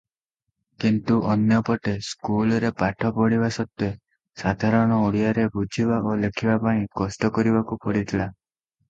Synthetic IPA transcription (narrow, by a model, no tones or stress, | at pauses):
kint̪uʔɔnjɔpɔʈeskulɔɾepaʈʰɔpɔɽiβasɔt̪jɔ | sad̪ʱaɾɔɽ̃ɔoɽijaɾebʱud͡ʒʱibaolekʰibapaĩkɔsʈɔkɔɾibakupɔɽit̪ʰila